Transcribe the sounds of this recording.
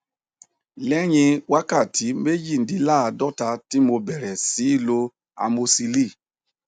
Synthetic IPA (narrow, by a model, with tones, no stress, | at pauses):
lɛ˦ɲĩ˧wa˦ka˦˨tʰi˨˦me˦d͡ʒi˦˨n̩˨di˨˦la˦˨a˧dɔ˦ta˧ti˦mo˧bɛ˨ɾɛ˨si˨˦i˦˨lo˧ | a̰˧mo˧si˧li˦˨